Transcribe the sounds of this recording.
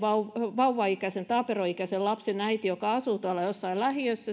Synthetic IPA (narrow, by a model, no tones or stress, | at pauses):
ʋɑuʋɑuʋːɑikæsent̪ɑːperoikæsellɑpsenæit̪ijokɑɑsuːt̪uɑlːˑɑjosːɑillæhiøsːæ